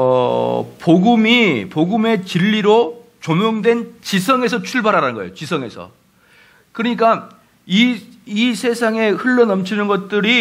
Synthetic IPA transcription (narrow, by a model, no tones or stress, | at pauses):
ʌpoɡumipoɡume̞t͡ɕiʎːiɾot͡ɕomjoŋdwe̞nt͡ɕisʰʌŋe̞sʰʌt͡ɕʰuɭbaɾɦaɾanɯnŋɡʌḛjot͡ɕisʰʌŋe̞̰sʰʌ̰ | kɯɾʌɲik͈a | iisʰe̞sʰaŋe̞hɯɭːʌnʌmt͡ɕʰinɯnɡʌt̚t͈ɯɾi